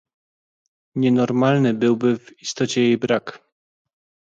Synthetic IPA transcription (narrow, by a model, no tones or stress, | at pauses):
ɲɛnɔɾmalnɘbɘwbɘvist̪ɔt͡ɕɛjejbɾak